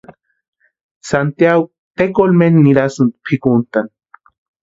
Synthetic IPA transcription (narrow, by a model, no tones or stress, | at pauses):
sant̪jaɡo | t̪ekolmenniɾasunpʰikunt̪an